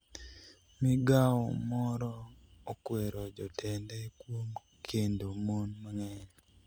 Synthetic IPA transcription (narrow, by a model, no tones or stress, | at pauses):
miɡawɔmɔɾɔokweɾɔd͡ʒɔtʰɛndɛkwom | kʰendomonmaŋɛɲ